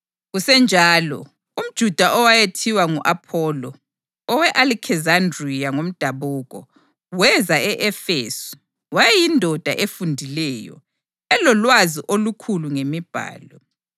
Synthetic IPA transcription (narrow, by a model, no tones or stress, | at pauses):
ɣusɛnd͡ʒʱaːlɔ̰ | um̩d̥ʒ̥ʱud̥ʱaʔɔwajetʰiwaŋṵʔapʰɔːlɔ | ɔwɛʔalikʰɛzandriaŋom̩d̥ʱaβuɣɔ | wɛzaɛʔɛfḛsu̥ | wajɛjindʱɔd̥ʱa̰ʔefundʱilɛjɔ̰ | ɛlɔlwaziʔolukʰuluŋemib̥ʱa̰ːlɔ